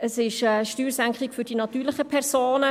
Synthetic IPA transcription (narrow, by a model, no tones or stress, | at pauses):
əsɪʃəʃtyːɾsæŋkχɪkføɾd̥inɑt̪yːɾləχəpʰɛrsoːnə